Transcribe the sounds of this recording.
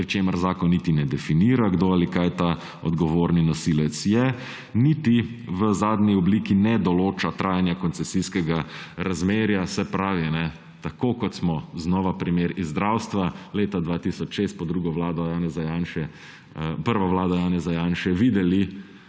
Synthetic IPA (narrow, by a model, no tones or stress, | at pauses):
pɾit͡ʃeːməɾzaːkɔnːit̪inɛd̪ɛfiniːɾaɡd̪oalikajt̪a | ɔ̰d̪ɡɔʋoːɾninɔsilɛt̪sjɛ | nit̪iʋəzaːd̪niɔbliːkinɛd̪ɔloːt͡ʃat̪ɾʔaːjanjakɔnsɛsiskɛɡaɾazmeːɾjasɛpɾaːʋinɛ | t̪akokɔt̪smɔznɔʋapɾimeːɾizːd̪ɾawst̪ʋaleːt̪ad̪ʋat̪isɔt͡ʃʃeːst̪̚pɔd̪ɾuːɡɔʋlaːd̪ɔjaːnɛzajaːnʃɛ | pəɾʋaʋlaːd̪ɔjaːnɛzajaːnʃɛʋid̪ɛli